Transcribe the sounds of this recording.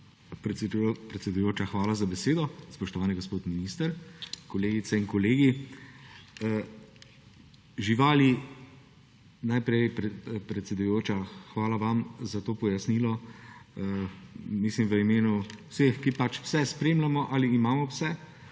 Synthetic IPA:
pɾpɾɛt̪sʲɛd̪ujoːt͡ʃaxʋaːlazabɛseːd̪ɔspɔʃt̪ɔʋaːniɡospoːt̪minist̪əɾkɔleːɡit̪sɛinkɔleːɡi | ʒiʋaːli | najpɾɛjppɾɛt̪sɛd̪ujoːt͡ʃaxʋaːlaʋamzat̪oːpɔjasnilɔəmislimʋəimeːnuwsexkipat͡ʃw̥sɛspɾeːmlamɔʔaliːmaːmɔwsɛ

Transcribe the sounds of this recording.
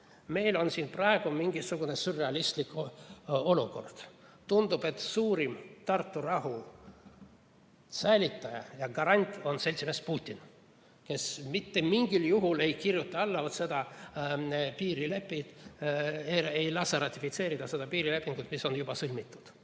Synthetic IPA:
me̞jlo̞nsiːnprɑe̞ɡ̥umiŋɡisuɡ̥une̞sureɑlʲist̪lik | o̞luko̞̰rd̪̥t̪und̪ub̥e̞t̪suːɾimt̪ɑrt̪ːurɑɦu | sæjlʲit̪ˑːɑjɑ̰jɑɡɑɾɑnʲt̪ʲːˑo̞nse̞lʲt̪simespuːt̪ʲːin | ke̞smit̪ːe̞miŋɡiljuɦule̞jkirjut̪ːˑɑɑlːɑvot̪se̞d̪ɑ | piːɾile̞pːit̪ | eejlɑsɑɾɑt̪ʲːˑifit̪se̞ːɾid̪̥ɑse̞d̪ɑpiːɾile̞pːˑiŋɡ̥ut̪ːˑmiso̞njubɑsɯlʲmit̪ːˑu̥d̪̥

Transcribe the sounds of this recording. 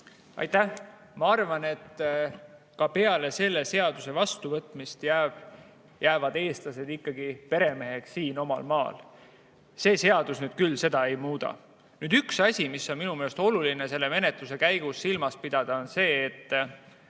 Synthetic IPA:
ʔɑ̰jt̪æh | mɑɑrvɑne̞t̪ː | kɑpe̞ɑle̞se̞lːe̞se̞ɑd̪̥use̞vɑst̪uvɤt̪ˑmist̪jæːb̥ | jæːvɑd̪̥e̞ːst̪lɑse̞d̪̥ikːɑɡipe̞ɾe̞me̞ɦe̞ksiːno̞mɑ̰lmɑːl | se̞ːse̞ɑd̪̥usnyːd̪̥̚kylːse̞d̪̥ɑe̞jmuːd̪ɑ̰ | nyːd̪yksɑsʲimisːo̞nminumelest̪o̞lulinese̞lːe̞me̞ne̞t̪luse̞kæjɡ̥usːilmɑspid̪̥ɑd̪̥ɑo̞nse̞ːt̪ː

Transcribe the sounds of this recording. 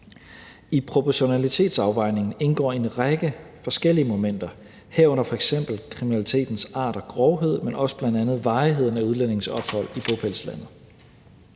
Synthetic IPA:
ipʰʁo̝pʰɒɕo̝nælit͡sʰe̝̰ːd̥sɑ̈ʊʋɑ̈ɪ̰ne̝ŋn̩e̝nɡ̥ɒ̰ːe̝nʁaɡ̥ə | fɒ̽sɡ̥el̰iəmo̝men̰d̥ɐ | hæɐ̰ɔ̽n̰ɐfɒ̽eɡ̥sem̰b̥l̩kʰʁiminælit͡sʰe̝̰ːd̥n̩sɑ̰̈ːɾ̥ɒ̽ɡ̥ʁɒʊɦe̝ð̞̰ˠmenɒ̽səb̥lænd̥ænð̞̩ˠʋɑ̈ːiɦe̝ð̞̰ˠn̩æuð̞ˠlæne̝ŋ̩sɒ̽b̥hɒ̽l̰ib̥ʰopʰelslænð̩ˠ

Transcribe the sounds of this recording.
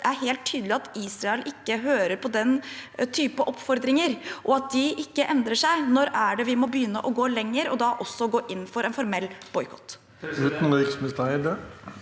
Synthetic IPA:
ʔæɾɦeːlt̪ʰːyːd̪əlɪɑt̪iːsɾɑɛlʔɪkːəɦøːɾəɾpʰɔd̪ɛnt̪ʰyːpəʔɔpfɔɾd̪ɾɪŋəɾʔɔɑt̪̚d̪ɪʔɪkːəʔɛnd̪ɾəʂæɪnɔɾæɖɛʋɪmɔbəjʏnːəʔɔɡoːlɛŋːəɾɔd̪ɑʔɔsːɔɡoːʔɪnːfɔɾʔɛnfɔɾmɛlːb̥ɔʏkʰɔ̥t̪ː | ʉːt̪n̩ʁiːksməst̪ɑɪəɖ̪ø

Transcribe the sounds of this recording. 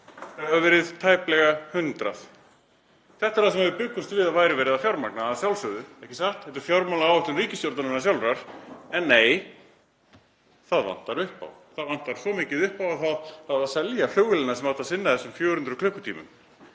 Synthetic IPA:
θaavavɛːɾɪðt̪ʰaːjplɛɣahʏnt̪ɾaθ | θɛht̪ḁɾasɛmavɪpʏkːʏst̪vɪðaðvaːjɾɪvɛːɾɪðafjawɾmaknasjawlsœðʏɛhcɪsaht̪ɛht̪̬ʏɾ̥fjaɾmalaawɛht̪ʏmriːcɪst̪jɔwɾt̪anɪnːasjawlɾaɾ̥ɛnːeːj | θaðva̰n̥t̪aɾʏhpa̰wθaðvan̥t̪aɾ̥sɔmɪːcɪðʏhpawaðθaðθaðaðsɛljal̥œːwɣɪlɪnasɛmawt̪asɪnːaðθɛsʏmfjɔːɾʏnt̪ɾʏkʰlʏhkʏt̪ʰḭːmʏ̰m

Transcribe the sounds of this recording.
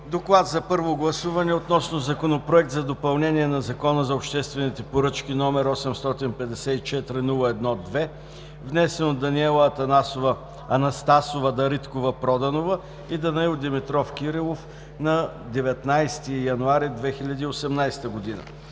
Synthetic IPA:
d̪oklˠat̪zɐpɤɾvoɡlˠɐsuvɐnɛot̪nɔsnozɐkonopɾoɛk̚t̪zɐd̪opɐlˠnɛniɛnɐzɐkɔnəzɐopʃt̪ɛst̪vɛnit̪ɛpoɾɤt͡ʃkʲinɔmɛɾɔsɛmst̪ɔt̪inpɛd̪ɛsɛit͡ʃɛt̪ɾinulˠəɛd̪nɔd̪vɛ | vnɛsɛnod̪ːɐniɛlˠɐɐt̪ɐnasovə | ɐnɐst̪asovəd̪ɐɾit̪kovəpɾɔd̪ɐnovə | id̪ɐnɐilˠd̪imit̪ɾɔfk̟iɾilˠof | nɐ | d̪ɛvɛt̪najst̪ijɐnuaɾid̪vɛxilʲɐd̪iːosɛmnajst̪əɡod̪inə̰

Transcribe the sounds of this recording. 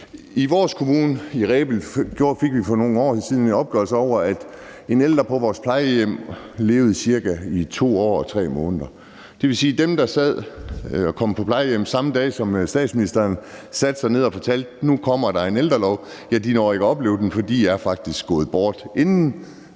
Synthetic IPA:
iʋɒːskʰo̝muːnəiʁɛːb̥l̩ɡ̥jo̝ɐ̰fe̝ɡ̥ʋifɒno̝ːŋ̩ɒ̰ːsiːð̞ˠnenɒ̽b̥̚ɡ̥œlsəɒʊ̰ɐæd̥ | e̝neld̥ʁɐpʰɒ̽ʋɒːspʰlɑ̈ɪəjem̰ | le̝̰ːʊð̞̩ˠsiɐɡ̥æit͡sʰo̝̰ːɒ̰ːɒ̽t͡sʰʁɛ̰ːmɔ̽ːnðˠɐ | d̥e̝ʋesiːd̥emd̥ɑ̈sæð̰ˠɒ̽kʰɒ̽m̰pʰɒ̽pʰlɑ̈ɪəjem̰sɑ̈məd̥ɛ̰ːsɒ̽msd̥ɛ̰ːd̥sminisd̥ɐːnsæd̥sɑ̈ɪne̝ð̰ˠɒfɒ̽t͡sʰæl̰d̥nukʰɒ̽m̰ɐd̥ɑ̈e̝nel̰d̥ʁɐlɒʊ | jæd̥inɒe̝ɡ̥ɒ̽b̥le̝ːʊden̩fɒ̽d̥ḭːjɑæɐfɑ̈ɡ̥̚d̥isɡ̥ɔ̽ːð̞̩ˠb̥ɒːd̥e̝nn̩

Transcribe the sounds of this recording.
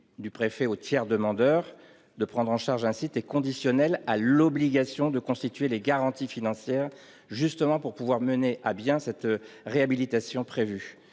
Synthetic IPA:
d̪ypχefɛot̪jɛʁd̪əmɑ̃d̪œːʁ | d̪əpχɑ̃d̪ʁɑ̃ʃaʁʒɛ̃sit̪ɛkɔ̃d̪isjɔnɛlalɔbliɡasjɔ̃d̪əkɔ̃st̪it̪ɥeleɡaʁɑ̃t̪ifinɑ̃sjɛʁ | ʒyst̪əmɑ̃puʁpuvwaʁməneʔabjɛ̃sɛt̪ʁeabilit̪asjɔ̃pχevy

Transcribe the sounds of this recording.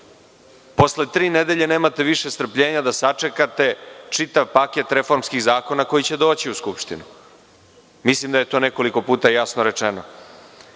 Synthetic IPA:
po̞sle̞t̪ɾiːned̪e̞ʎe̞neːmat̪e̞ʋiʂest̪ɾ̩pʎeːɲad̪asat͡ʂe̞kat̪e̞t͡ʂit̪aʋpaket̪ɾe̞fo̞ɾmskiɣzaːko̞nako̞jit͡ɕe̞d̪o̞ːt͡ɕiuskupʃt̪inu | mislimd̪aje̞t̪o̞ːne̞ko̞liko̞puːt̪ajasnoɾe̞t͡ʂeno̰

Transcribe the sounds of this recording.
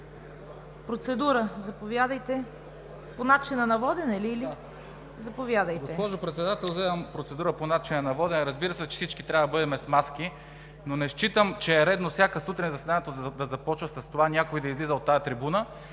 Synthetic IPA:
pɾot̪sɛd̪uɾəzɐpovjad̪əjt̪ɛ | ponat͡ʃinɐnɐvɔd̪ɛnɛliːli | zɐpovʲjad̪əjtɡoɛspɔʒopɾɛt̪sɛd̪at̪ɛlˠzɛd̪ɐmpɾot̪sɛd̪uɾəponat͡ʃinɐnɐvɔd̪ɛnɛɾɐzbiɾəsɛt͡ʃɛ̥sit͡ʃkit̪ɾʲavɐd̪ɐbɤd̪ɛmɛsmaski | nonɛʃt͡ʃit̪əmt͡ʃɛːɾɛd̪nofsʲjakəsut̪ɾinʲzɐsɛd̪anɛt̪ozd̪ɐzɐpɔt͡ʃvəsɐst̪ovanʲakoid̪ɐizlizəot̪ːajɐt̪ɾibunə

